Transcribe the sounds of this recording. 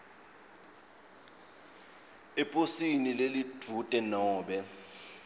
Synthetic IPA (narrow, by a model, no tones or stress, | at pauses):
ɛpʼosinilelid̥ʰʱutʼɛnɔːɓɛ